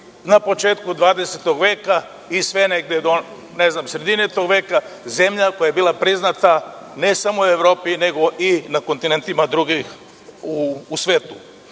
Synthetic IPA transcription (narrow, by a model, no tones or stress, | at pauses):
napo̞t͡ʃeːt̪kud̪ʋaːd̪e̞set̪oɡʋe̞ːka | isʋe̞neɡ̚d̪ed̪o | ne̞znamsɾe̞d̪inet̪o̞ɡʋe̞ːkaze̞mʎako̞jajebiːlˠapɾiznat̪ane̞samoue̞ʋɾo̞ːpine̞ɡo̞ʔinako̞nt̪ine̞nt̪imad̪ɾuɡix | uːsʋe̞ːt̪u